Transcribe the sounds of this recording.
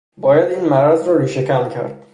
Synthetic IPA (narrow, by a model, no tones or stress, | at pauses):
bɒːjæd̪iːnmæɾæzɾɒːɾiːʃecʰæncʰæ̰ɾd̪̥̚